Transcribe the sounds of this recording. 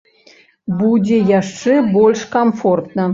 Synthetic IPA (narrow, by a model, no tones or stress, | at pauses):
budʲejɑʂːebolʲʂkɐmfort̪nə̆